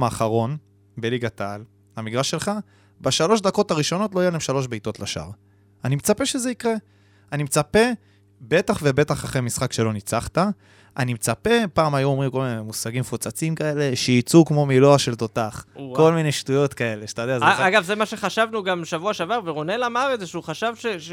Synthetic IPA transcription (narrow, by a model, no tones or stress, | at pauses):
maːχaʁo̞n | be̞liɡat̪aːl | hamiɡʁaʃe̞lχa | baʃalo̞ʃd̪ako̞taʁiʃo̞no̞t̬loajelaemʃalo̞ʃbejt̪o̞tlaʃa̰ʁ | animet͡sape̞ʃeze̞ikʁe̞ | animet͡sape̞ | be̞taχve̞be̞t̪aχaχemisχakʃe̞lo̞nit͡saχt̪a | ʔanimet͡sape̞paːmajuomʁimko̞lminemusaɡimfut͡sat͡simkae̞le̞ʃejit͡sukmo̞miloaʃelt̪o̞taχko̞lmine̞ʃtujo̞t̪kae̞leʃtajodeazeaɡavzemaʃeχaʃavnuɡamʃavuaʃavaʁveʁonelamaʁezeʃeuχaʃavʃe